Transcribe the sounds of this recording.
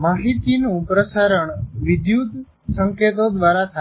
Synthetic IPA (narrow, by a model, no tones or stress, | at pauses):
maɦit̪inupɾəsaɾəɳʋid̪jud̪ | səŋket̪od̪ʋaɾat̪ʰa